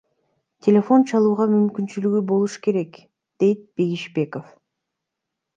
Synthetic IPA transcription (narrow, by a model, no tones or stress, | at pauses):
tʲʰe̞lʲe̞fo̞nt͡ʃʰɑlˠuːʁɑmymkynt͡ʃylyɡybo̞lˠuʃɯ̥ke̞ɾe̞k | d̪̥e̞jt̪̚b̥e̞ɡiʃbe̞ko̞f